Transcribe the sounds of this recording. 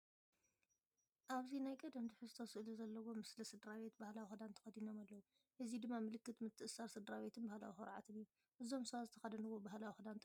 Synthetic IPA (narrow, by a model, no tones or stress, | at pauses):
ʔaβzinajkʼɐd̪ɐmd̪ɨħɨzt̪ʰosɨʔɨluzɐlːɐwo̞mɨslɐsɨd̪ɾaβe̞t̪̚bahlawixɨd̪ant̪ʰɐ̥xɐd̪ino̞malːɐwu | ʔɨzid̪ɨmːamɨlɨkːɨt̪mɨt̪ʰːɨʔɨsːaɾsɨd̪ɾaβe̞t̪ʰɨnbahla̰wixɐɾʕa̰t̪ʰɨnijːu | ʔɨzo̞msɐβat̪zɨt̪ʰɐxɐd̪ɐnɨwo̞bahlawixɨd̪ant̪ʰ